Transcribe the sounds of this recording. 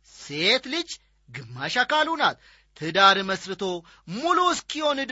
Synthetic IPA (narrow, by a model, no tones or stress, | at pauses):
set̪lɨd͡ʒ | ɡɨmːaʃakalunat̪ | t̪ʰɨd̪aɾməsɾɨt̪ʰo̞ | muluskiho̞nɨd̪